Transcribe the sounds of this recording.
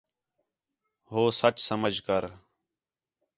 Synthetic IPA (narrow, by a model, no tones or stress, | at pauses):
ɦoːsət͡ʃsəməd͡ʒʱkəɾ